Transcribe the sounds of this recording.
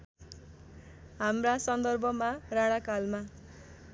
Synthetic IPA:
ɦamrasʌnd̪ʌrbʱʌmaraɽ̃akalma

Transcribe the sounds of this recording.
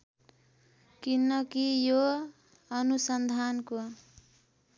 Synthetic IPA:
kinːʌkijo | ʌnusʌnd̪ʱanko

